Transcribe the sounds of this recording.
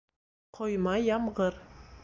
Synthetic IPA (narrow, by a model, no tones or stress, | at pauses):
qʰŏjmɑjɑmʁɤɾ